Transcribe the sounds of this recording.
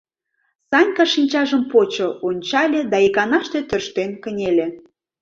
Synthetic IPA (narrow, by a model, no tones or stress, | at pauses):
sɑnʲkɑʃinʲt͡ɕɑʒəmpot͡ɕoonʲt͡ɕɑlʲed̪ɑekɑnɑʃt̪et̪ørʃt̪enkə̆nʲelʲe